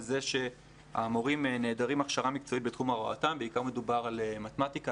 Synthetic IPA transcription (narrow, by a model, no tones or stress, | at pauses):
zeʃe̞ | a̰ːmo̞ʁimneːdaʁimaχʃaʁamikt͡so̞it̚bet̪χumaʁoa̰tambeikaʁme̞dubaʁalemat̪emat̪ika